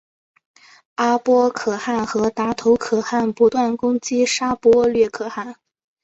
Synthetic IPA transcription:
a˥pwɔ˥kʰɤ˨˩xa˥˩nxɤ˧˥t̪a˧˥t̪ʰo˧˥ʊkʰɤ˨˩xa˥˩npu˧˥t̪wa˥˩nkʊ˥ŋt͡ɕi˥ʂa˥pwɔ˥lɥɛ˥˩kʰɤ˨˩xa˥˩n

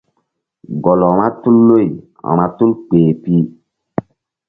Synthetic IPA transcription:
ɡɔ˨lɔ̃˨ɾa˦tu˦lːo˦j | a̰˨ɾa˦tu˦lk͡peː˨pi˦

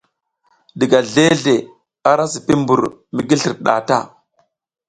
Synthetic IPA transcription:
di˨ɡa˨ɮe˦ɮe˨ | a˦ɾa˦si˨pi˦mbu˨ɾmi˦ɡi˦ɬi˨ɾɗa̰˨ta̰˦

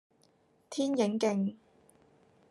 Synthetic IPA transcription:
t̪ʰiː˥njɪ˨˥ŋkɪ˧ŋ

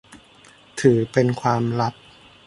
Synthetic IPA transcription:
t̪ʰɯː˩˦pe˧nkʰwaː˧mɾa˦˥p̚

